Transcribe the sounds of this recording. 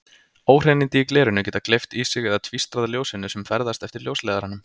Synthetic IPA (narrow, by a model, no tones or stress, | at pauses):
oːwr̥enint̪ɪːklɛːɾʏnʏcɛːt̪aklejft̪isɪɣɛðat̪ʰvist̪ɾaðaljoːwsɪnʏsɛmfɛɾðast̪ɛft̪ɪɾljowslɛːðaɾanːʏm